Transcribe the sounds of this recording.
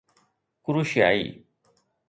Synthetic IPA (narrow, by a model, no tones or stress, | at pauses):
kʊɾuʃja̰ːḭː